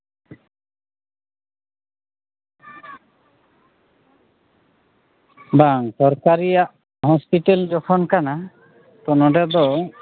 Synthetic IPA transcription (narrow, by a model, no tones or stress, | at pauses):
baŋsɔɾkaɾijaʔ | ɦɔspiʈeld͡ʒɔkʰɔnkana | t̪ɔnɔɖad̪ɔ